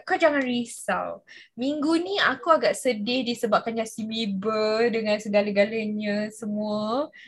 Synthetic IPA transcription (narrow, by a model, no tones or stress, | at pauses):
kad͡ʒaŋanɾisa̰wmiŋɡunĩakuaɡaʔsədɪhdisəbap̚kanɲãsimibədəŋãnsəɡalaɡalaɲãsəmũə